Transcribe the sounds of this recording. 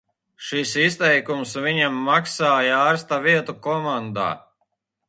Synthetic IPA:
ʃisist̪ɛjkumsviɲamːaksaːjaːɾst̪aviɛt̪ukɔmand̪a̰ː

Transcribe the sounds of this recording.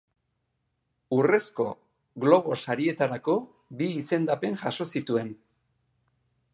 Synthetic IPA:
ure̞sko̞ | ɣlo̞βo̞saɾie̞t̪aɾako̞ | biːse̞nd̪ape̞nʝaʃo̞sit̪ue̞n

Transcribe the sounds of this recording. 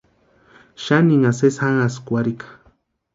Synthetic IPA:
ʃaniŋaseshaŋaskwaɾikḁ

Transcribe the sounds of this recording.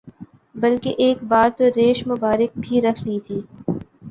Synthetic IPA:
bɐlkeʔeːkbaːɾt̪oɾeːʃmʊbaːɾɪk̚bʱiɾɐkʰlit̪ʰiː

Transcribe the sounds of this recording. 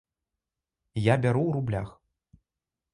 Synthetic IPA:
jabʲaɾuwɾublʲa̰x

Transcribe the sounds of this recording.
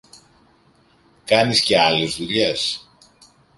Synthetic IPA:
kɐnisce̞ɐle̞zðuʎes

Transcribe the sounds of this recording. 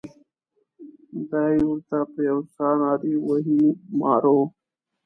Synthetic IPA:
d̪ajwʊɾt̪apjawsɑːnɑɾiwəɦimɑ̰ːɾo

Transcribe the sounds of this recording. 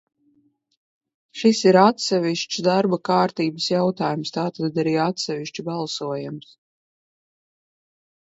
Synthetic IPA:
ʃisiɾat̪sɛvʲiʃt͡ʃsd̪aɾbakaːɾt̪iːbəsjawt̪aːjumst̪aːt̪ad̪d̪aɾiːat̪sɛvʲiʃt͡ʃibalˠsuɔjums

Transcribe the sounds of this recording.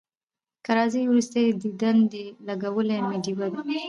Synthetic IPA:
kaɾɑzəjwɾust̪ajd̪id̪and̪əlaɡawəlemeɖiwad̪e

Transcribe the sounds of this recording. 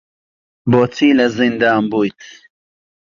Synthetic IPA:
boːt͡siːlɐzind̪aːmbujt̪ʰ

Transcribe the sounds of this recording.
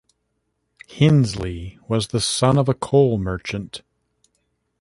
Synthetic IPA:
hɪ̃nzliwʌzðəsʌ̃nʌvəkʰoʊlˠmɜ˞t͡ʃɨ̃nt

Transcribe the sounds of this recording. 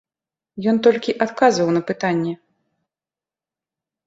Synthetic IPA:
jɔnt̪ɔlʲkʲiʔat̪kazvɐwnɐpɨt̪anʲːɛ

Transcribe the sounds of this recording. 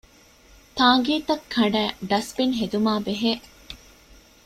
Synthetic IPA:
t̪aːŋ̆ɡiːt̪ɐkʰːɐɳɖæːɖɐsbinɦed̪umaːbeɦeː

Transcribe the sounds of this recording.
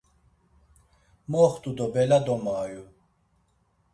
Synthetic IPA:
mɔːχt̪ʼud̪ɔbɛlad̪ɔmaːju

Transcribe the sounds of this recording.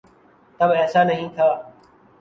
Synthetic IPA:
t̪əbɦɛːsaːnəɦĩːt̪ʰaː

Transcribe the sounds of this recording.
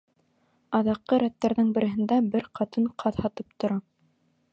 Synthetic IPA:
ɑðɑqːɤɾæt̪ːæɾðɘŋbɘ̆ɾɘ̆ɦɘ̆nd̪æbɘɾqʰɑt̪ɤɴqʰɑðhɑt̪ɤp̚t̪ŏɾɑ

